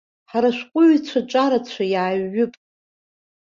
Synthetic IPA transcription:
ħaɾaʃʷᶣqʷʼʊʕt͡ɕʷʰaʈ͡ʂʷʼaɾat͡ɕʷʰajaːɥːʊpʼ

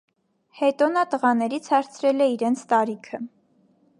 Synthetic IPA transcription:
hɛt̪ɔnət̪əʁɑnɛɾit͡sʰhɑɾt͡sʰɾɛlɛiɾɛnt͡sʰt̪ɑɾikʰə

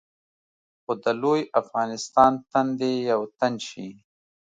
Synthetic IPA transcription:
xod̪əlojafɣɑnɪst̪ɑnt̪and̪ejawt̪anʃi

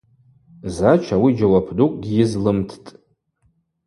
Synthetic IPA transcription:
zat͡ʃʰawid͡ʒawapʰdukʼɡʲiizlɨmtʰtʼ

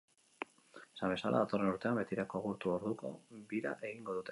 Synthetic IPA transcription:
sambe̞sa̰lʔa̰ðat̪o̞renuɾt̪e̞ambe̞t̪iɾako̞aɣuɾt̪uo̞ɾðuko̞̰biɾa̰ʔe̞ɣiŋɡo̞ðut̪e

